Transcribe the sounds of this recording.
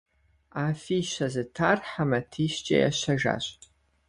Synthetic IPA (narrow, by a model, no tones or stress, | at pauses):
aːfiːʃɐzɨtʰaːrħamɐtʰiːʃt͡ʃʼɐ̰ja̰ɕɐʒa̰ːɕʼ